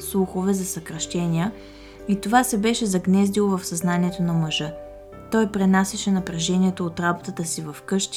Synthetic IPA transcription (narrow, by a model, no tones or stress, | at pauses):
slˠuxovɛzɐsəkɾɐʃt̪ɛnʲiə | it̪ovasɛbɛʃɛzɐɡnɛzd̪ilˠovɐfsɐznanʲiɛt̪onɐmɐʒɤ | t̪ɔjpɾɛnasʲɛʃɛnɐpɾɐʒɛniɛt̪oːt̪ɾabot̪ət̪əsivɐfkɤʃt̪